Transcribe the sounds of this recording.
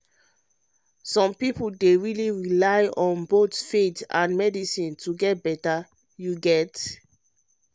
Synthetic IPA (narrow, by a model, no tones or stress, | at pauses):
sɔ̃mpipuldeɹiliɹilaɪɔ̃nbotfetã̰nmɛdisĩntʰuɡɛt̚bɛta | juɡɛt